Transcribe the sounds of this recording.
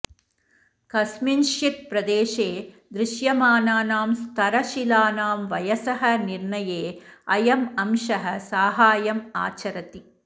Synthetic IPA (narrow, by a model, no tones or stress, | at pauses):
kɐsminʃit̪̚pɾɐd̪eːʃeː | d̪ɾɪʃjɐmaːnaːnaːmst̪ʰɐɾɐʃilaːnaːmʋɐjɐsɐɦɐniɾɳɐjeːɐjɐmɐmʃɐɦɐsaːɦaːjɐma̰ːt͡ʃɐɾɐt̪i